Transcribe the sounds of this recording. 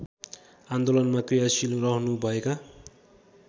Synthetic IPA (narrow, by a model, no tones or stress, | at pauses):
and̪olʌnmakrijasilurʌɦnubʱʌeka